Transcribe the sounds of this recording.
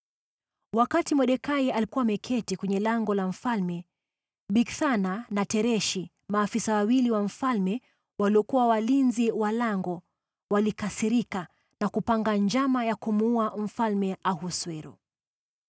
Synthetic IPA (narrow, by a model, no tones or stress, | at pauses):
wakatimɔɗɛkaialikuwamɛkʰɛtikwɛɲɛlaŋɡɔlam̩falmɛ | ɓikθananatɛɾɛʃi | maːfisawawiliwaɱ̩falmɛ | waliɔkuwawalinziwalaŋɡɔ | walikasiɾika | nakupaŋɡaɲd͡ʒamajakumuuam̩falmɛʔahuswɛɾṵ